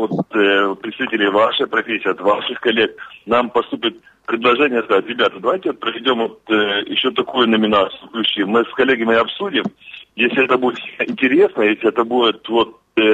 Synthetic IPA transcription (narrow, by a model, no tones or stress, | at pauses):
ot̪pɾʲɪt̪st̪ɐvʲitʲɪlʲɪjvaʂɨjəpɾɐfʲesʲɪijt̪vaʂɨxkɐlʲːek̚nampɐst̪upʲɪt̪̚ | pɾʲɪd̪lˠɐʐɛnʲɪjəskɐzatʲɾʲɪbʲat̪əd̪ɐvajtʲɪot̪̚pɾəvʲɪdʲo̞mvot̪jɪ̰ɕːot̪ɐkujʊnəmʲɪnat̪sɨɨklʲʉt͡ɕːimɨskɐlʲːeɡʲəmɪɐpsudʲɪmjesʲlʲɪɛt̪əbudʲɪt̪ʲɪnʲtʲɪɾʲe̞snəjesʲlʲɪɛt̪əbudʲɪt̪vo̞t̪̚